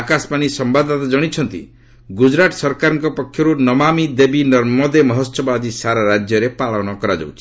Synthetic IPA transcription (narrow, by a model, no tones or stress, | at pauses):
akasmanisɔmbad̪at̪ad͡ʒɔɽ̃it͡ʃʰɔnt̪ḭ | ɡud͡ʒɾaʈsɔɾkaɾɔŋkɔpɔkʰjɔɾunɔmamid̪ebinɔɾmɔd̪emɔɦɔsɔbad̪isaɾaɾad͡ʒjɔɾepaɭɔɽ̃ɔkɔɾad͡ʒɔ̰wt͡ʃʰi̥